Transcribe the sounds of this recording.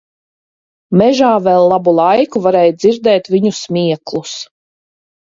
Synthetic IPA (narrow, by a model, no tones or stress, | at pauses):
mɛʒaːvɛlˠːabulˠajkuvaɾɛjd̪ziɾd̪ɛːt̪vʲiɲusmʲiɛklˠus